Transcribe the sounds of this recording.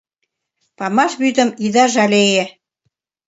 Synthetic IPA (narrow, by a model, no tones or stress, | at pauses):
pɑmɑʃβyd̪ə̆miðɑʒɑlejĕ